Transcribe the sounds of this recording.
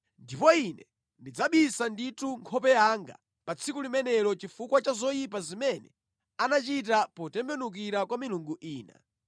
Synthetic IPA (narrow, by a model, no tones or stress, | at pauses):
ndipɔinɛ | ndid͡zaɓisandituŋkʰɔpɛjaŋɡa̰ | pat͡sʰikulimɛnɛlɔt͡ʃifukwat͡ʃazɔjipazimɛnɛ̰ | anat͡ʃit̬apɔtɛmbɛnuk̬iɾakwamiluŋɡuʔiːna̰